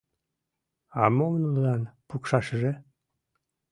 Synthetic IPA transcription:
ɑmomnəlɣɑnpukʃɑʃəʒe

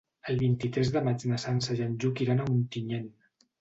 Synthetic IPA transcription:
əlˠβint̪it̪ɾɛzðəmat͡ʃnəsansəʒanʲʒukiɾanaunt̪iɲen

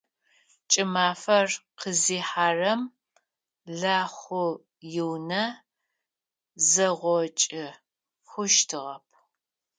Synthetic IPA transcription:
t͡ʃʼɪmaːfɐrqəziːħaːrɐm | ɮaːχʷʊ | jɪwnɐ | zɐʁʷɔt͡ʃʼɪ | xʷʊʃtʰɨʁɐp̚ʰ

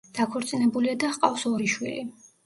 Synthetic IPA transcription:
d̪̥akʰɔɾt̪sʼinɛbuliad̪aqʼafsɔɾiʃwḭli

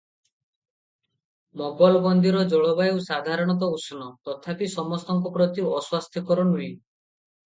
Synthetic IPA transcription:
mɔɡbɔlɔbɔnd̪iɾɔd͡ʒɔɭɔbajewsad̪ʱaɾɔɽ̃ɔt̪̬ɔusɔnɔt̪ɔt̪ʰapisɔmɔst̪ɔŋkɔpɾɔt̪iɔswast̪ʰjɔkɔɾɔnui

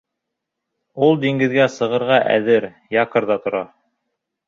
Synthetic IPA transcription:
ulˠd̪iŋɡɘ̆ðɡæsɤ̆ʁɤ̆ɾʁɑʔæ̰ðɘɾ | jɑqɤ̆ɾðɑt̪ŏɾɑ

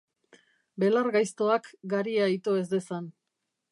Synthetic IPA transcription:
be̞laɾɣajst̪o̞akɡaɾiait̪oe̞zd̪e̞san

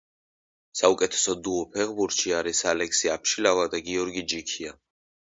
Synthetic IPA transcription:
saukʼɛt̪ʰɛ̥sɔd̪uɔpʰɛʁbuɾt̪ʃiaɾisalɛksiapʰʃilavad̪aɡiɔɾɡid͡ʒikʰia

